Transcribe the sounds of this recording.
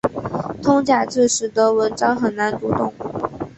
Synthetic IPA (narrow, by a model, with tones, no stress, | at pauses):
t̪ʰʊ˥ŋt͡ɕja˨˩ʈ͡ʂɹ̩˥˩ʂɻ̩˨˥t̪ə˧˥wə˧˥nʈ͡ʂɑ˥ŋxə˨˩nna˧˥nt̪u˧˥t̪ʊ˥˧ŋ